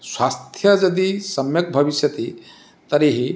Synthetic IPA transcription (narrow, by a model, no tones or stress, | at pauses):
swast̪ʰjʌd͡ʒʌd̪isʌmjʌk̚bʱʌbisjʌt̪i | t̪ʌɾiɦi